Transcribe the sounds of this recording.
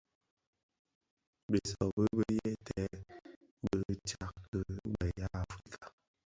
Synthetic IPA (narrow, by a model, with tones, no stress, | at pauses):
bə˨sɔ˨bə˦bə˦jɛ˦tʰɛ˨˦ | bə˦t͡ʃa˦kkə˦mɛ˨ja˦a˨fɾi˦kʰa˨